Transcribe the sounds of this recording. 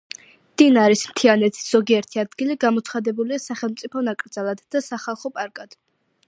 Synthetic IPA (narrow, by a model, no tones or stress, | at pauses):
d̪̥inaɾismt̪ʰianɛt̪ʰi̥sz̥ɔɡiɛɾt̪ʰiad̪ɡiliɡamɔt̪sʰχad̪ɛbuliasaχɛlˠmt̪sʼipʰɔnakʼɾd̪zalˠad̪ːasaχalˠχɔpʼaɾkʼad̪̥